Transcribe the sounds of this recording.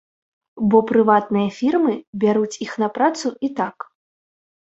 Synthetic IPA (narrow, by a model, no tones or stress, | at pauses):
bɔpɾɨvat̪̚nɨjɐfʲirmɨbʲaɾut͡sʲixnɐpɾat̪suit̪ak